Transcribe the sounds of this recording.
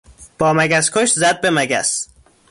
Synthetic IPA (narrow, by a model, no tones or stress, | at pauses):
b̥ɒːmæɡæskʰoʃzæd̪̚bemæɡæ̰s